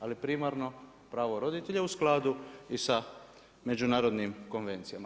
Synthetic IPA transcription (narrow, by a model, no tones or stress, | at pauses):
alipɾimaɾno̞ | pɾaːʋoɾo̞d̪it̪eʎausklˠaːd̪uisa | me̞d͡ʒunaːɾo̞d̪nimko̞nʋe̞nt̪sijama